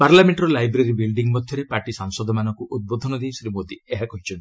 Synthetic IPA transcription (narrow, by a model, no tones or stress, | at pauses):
paɾlameɳʈɾɔlajbɾeɾibilɖiŋmɔd̪ʱjɔɾepaɾʈisaŋsɔd̪ʱɔmanɔŋkuut̪̚bod̪ʱɔnɔd̪ejsɾimod̪ieɦakɔɦit͡ʃʰɔnt̪i